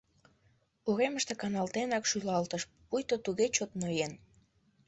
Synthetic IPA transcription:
uɣeməʃt̪ekɑnɑlt̪enɑkʃylɑlt̪əʃ | pujt̪ot̪uɣet͡ɕot̪nojen

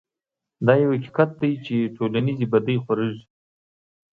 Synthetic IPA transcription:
d̪ɑjawhaki̥kat̪̚d̪ajt͡ʃeʈʰolanizibad̪əjxwaɾəʒi

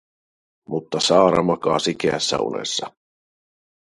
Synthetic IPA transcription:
mut̪ːɑsɑːɾɑ̰mɑkɑ̰ːsikeæsːæ̰ṵnḛsːɑ

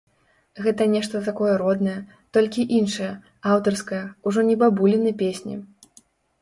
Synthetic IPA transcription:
ɣɛt̪ɐnʲɛʂt̪ɐt̪akɔjɐɾɔd̪nɐjɐ | t̪ɔlʲkʲiʔinʂɐjɐ | awt̪ɐrskɐjɐuʐɔnʲɛbabulʲɛnɐpʲesʲnʲḭ

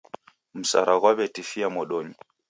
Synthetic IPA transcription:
m̩sa̰ɾaɣwaβɛtifiamɔɗɔɲi

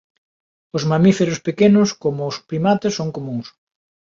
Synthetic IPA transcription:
ʊzmamifeɾospekenʊskomʊːspɾimat̪esːoŋkomũŋs

